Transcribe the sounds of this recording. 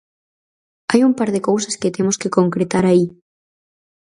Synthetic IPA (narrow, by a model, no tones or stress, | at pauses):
ajumpaɾðekowsasket̪emoskekoŋkɾet̪aɾai